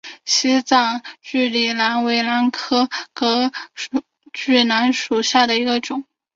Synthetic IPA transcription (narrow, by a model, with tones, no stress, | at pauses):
ɕi˥t͡sɑ˥˩ŋt͡ɕy˥˩li˨˩la˧˥nwe˧˥ɪla˧˥nkʰɤ˥kɤ˧˥˨ | t͡ɕy˥˩na˧˥nʂu˨˩ɕja˥˩d̪ə˩i˧˥ɡə˧ʈ͡ʂʊ˨˩˦ŋ